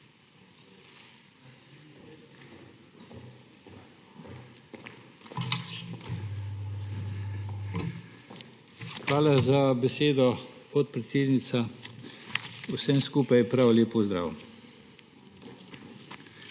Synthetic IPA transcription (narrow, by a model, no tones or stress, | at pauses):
xʋaːlazabɛseːd̪ɔpɔt̪̚pɾɛt̪seːd̪nit̪sa | usɛmskuːpajpɾawlʲeːpɔzd̪ɾa̰ːw